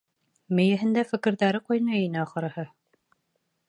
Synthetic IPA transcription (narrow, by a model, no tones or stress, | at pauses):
mɘ̆jɘ̆ɦɘ̆nd̪æfɘ̆kɘ̆ɾðæɾɘqojnɑinɘɒχɤ̆ɾɤ̆hɤ